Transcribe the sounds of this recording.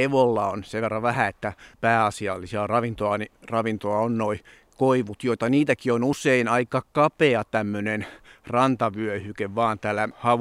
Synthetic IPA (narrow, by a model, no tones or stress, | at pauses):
eʋolːɑonseʋʋerːɑʋæhæet̪ːæpæːɑsiɑlːisiɑrɑʋint̪oɑnirɑʋint̪oɑonnoi | koiʋut̪joit̪ɑniːt̪ækionuseinɑikɑkɑpeɑt̪æmːønenrɑnt̪ɑʋyøhykeʋʋɑːnt̪æːlːæhɑʋ